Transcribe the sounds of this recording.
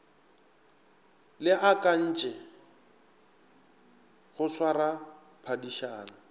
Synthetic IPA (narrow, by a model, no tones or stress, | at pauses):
lɪʔakʼan̩ːt͡ʃʼɛ | hʊswara | pʰadiʃaːna